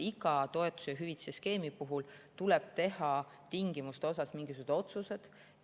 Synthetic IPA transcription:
iɡɑt̪o̞e̞t̪ːˑu̥sejɑɦyvit̪seske̞ːmipuɦult̪ulɛb̥̚t̪e̞hɑ | t̪iŋɡ̥imust̪eo̞s̬ɑsmiŋɡisusd̪o̞t̪suse̞d̪̥

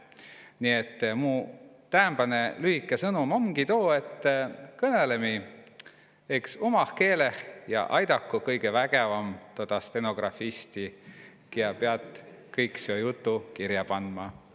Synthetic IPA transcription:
nie̞t̪ːmuː | t̪æːmbɑne̞lyhikːˑesɤnumo̞mɡit̪o̞ːe̞t̪ːkɤne̞le̞mi | e̞ksumɑhke̞ːle̞hjɑ̰ʔɑjd̪ɑkːukɤjɡ̥e̞væɡ̥evɑmt̪o̞d̪̥ɑst̪e̞no̞ɡ̥rɑfist̪ikiɑpeɑt̪ˑkɤjksiojut̪ːukiɾjɑpɑnmɑ

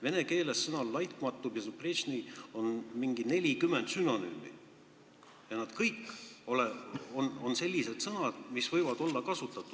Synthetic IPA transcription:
ve̞ne̞ke̞ːlesːɤnɑlːɑjt̪mɑt̪ːˑubjɑsupreɕnio̞nmiŋɡ̥ine̞lʲikymːend̪̥syno̞ny̰mːḭ | jɑnɑd̪̥kɤjkːo̞leono̞nse̞lʲːise̞d̪sɤnɑd̪̥misvɤjvɑd̪̥o̞lːɑkɑsut̪ːˑɑt̪ːˑud̥̪

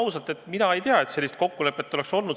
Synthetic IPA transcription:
usɑlt̪ˑe̞t̪ːˑminɑe̞jt̪eɑe̞t̪se̞lːist̪̚ko̞kːule̞pːˑe̞t̪ːo̞le̞kso̞lnud̪

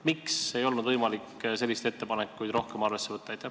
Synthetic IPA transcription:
mikse̞jo̞lnud̪vɤjmɑlikːse̞lːist̪e̞t̪ːe̞pɑnekːˑujd̪̥ɾo̞hke̞mɑrve̞sːe̞vɤt̪ːɑejt̪ʲːˑæ

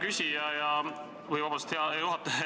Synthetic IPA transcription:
kysʲijɑjɑ | kujvɑb̥ɑst̪heɑjuwhɑt̪ːˑɑ

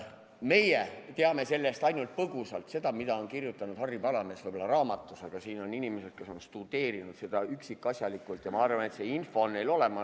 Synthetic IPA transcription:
me̞jet̪e̞ɑme̞se̞lːe̞st̪ɑjnult̪̚pɤɡ̥usɑlt̪se̞d̪̥ɑmid̪̥ɑo̞nkirjut̪ːˑɑnud̪hɑrːibɑlɑme̞svɤjbolːɑrɑːmɑt̪ːˑusɑɡ̥ɑsiːno̞ninime̞se̞d̥̪̚ke̞so̞nst̪ud̪̥e̞ːɾinud̪̥se̞d̪̥ɑyksikːˑɑsʲjɑlikːˑult̪jɑmɑɑrvɑne̞t̪seinfo̞nːelo̞le̞mɑ

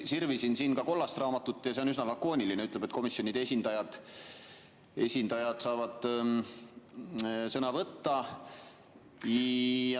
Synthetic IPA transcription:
sirvisinsiːnkɑko̞lːɑst̪rɑːmɑt̪ːut̪ːˑjɑseysnɑlɑkːˑo̞ːnʲilineyt̪ːˑle̞bet̪̚ko̞misjo̞nʲid̪eesʲind̪̥ɑjɑd̪̥ | e̞sʲind̪̥ɑjɑd̪̥sɑːvɑd̪̥ | sɤnɑvɤt̪ːɑ | ɑ

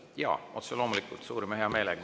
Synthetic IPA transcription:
jɑ̰ːʔo̰t̪selo̞mulikːˑult̪suːɾimeheɑmeːlɛɡ

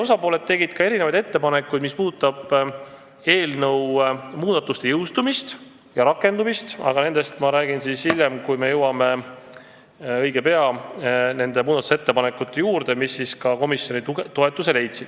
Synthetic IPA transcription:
osɑpo̞ːle̞d̪̚e̞ɡid̪̥kɑe̞ɾine̞vɑjd̪e̞t̪ːe̞pɑne̞kˑːujd̪mispuːd̪t̪ːˑɑb̥ | e̞ːlnɤwmuːd̪̥ɑt̪ːˑust̪e̞jɤwst̪umist̪ | jɑɾɑkːˑe̞nd̪umist̪ɑ̰ɡ̥ɑne̞nd̪̥e̞st̪mɑɾæːɡ̥insisilʲjːe̞mkujme̞jɤwɑme̞ | ɤ̞jɡ̥e̞pe̞ɑne̞nd̪e̞muːd̪ɑt̪u̥seet̪ːe̞pɑnekːˑut̪ːe̞juːɾd̪̥e̞misːiskɑko̞misjo̞nit̪oe̞t̪ːˑuse̞le̞jt̪sid̥̪

